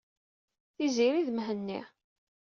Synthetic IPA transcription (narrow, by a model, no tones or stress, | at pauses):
θiziɾiðmɦənːḭ